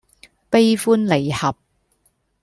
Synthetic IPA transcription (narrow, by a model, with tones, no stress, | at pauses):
pe˥jfuː˥nle˨˩jhɐ˨p̚